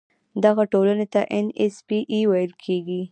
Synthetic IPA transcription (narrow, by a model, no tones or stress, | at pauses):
d̪aɣaʈolanet̪aʔɛnespiʔiwajəlkʰeɡi